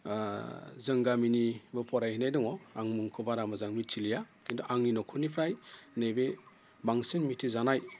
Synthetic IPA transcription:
zɯŋɡaminibɯpʰɔɾajhinajdɔŋɔaŋmuŋkʰɯbaɾamazaŋmit͡ʃʰilijakʰindɔʔaŋninɔkʰɯnipʰɾajnebe | baŋsenmitʰizanaj

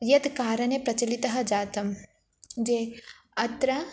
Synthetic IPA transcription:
jɐd̪kaːɾɐnepɾɐt͡ʃɐlit̪ɐɦɐ̆d͡ʒaːt̪ɐm | d͡ʒe | ɐt̪ɾɐ

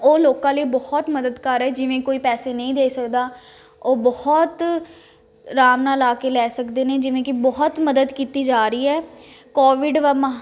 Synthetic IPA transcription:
oːloːkãːləiːbɔht̪məd̪əd̪kəɾɛːd͡ʒɪʋẽːkoːiːpɛːseːnəĩːd̪eːsəkd̪aː | oːbɔht̪ | ɾaːmnaːlaːkeːlɛːsəkd̪eːneːd͡ʒɪʋẽːkɪbɔɦt̪məd̪əd̪kiːt̪iːd͡ʒaːɾəiːɛː | kɔːʋɪɖʋəmã

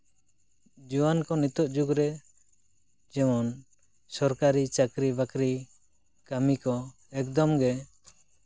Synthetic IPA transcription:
d͡ʒuwankɔnit̪ɔʔd͡ʒuɡɾɛ | d͡ʒɛmɔn | sɔɾkaɾit͡ʃakɾibakɾi | kamikɔ | ɛkd̪ɔmɡɛ

